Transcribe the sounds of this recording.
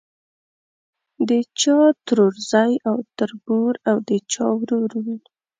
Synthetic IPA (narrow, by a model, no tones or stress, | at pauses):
d̪ət͡ʃɑt̪ɾoɾzajawt̪aɾbuɾawd̪ət͡ʃɑ̰wɾuɾwi